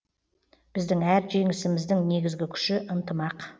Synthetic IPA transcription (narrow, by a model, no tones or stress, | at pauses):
b̥ɪzd̪ɪŋæɾʒe̞ŋɪsɪmɪzd̪ɪŋne̞ɡʲɪzɡʲɪkʲʰʏ̥ʃɪʔənt̪əmɑq